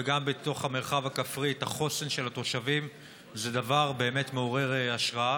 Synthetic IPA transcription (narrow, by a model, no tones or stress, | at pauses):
veɡambet̪o̞χhame̞ʁχavakafʁithaχo̞senʃe̞lat̪o̞ʃavim | zedavaʁbe̞ːme̞tmeoʁe̞ʁeaʃʁaa